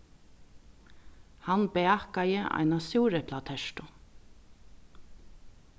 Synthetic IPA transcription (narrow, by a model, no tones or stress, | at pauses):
hanbɛakajəʔa̰jnasuwɾɛpʰlat̪ʰɛʃʈ̪ʊ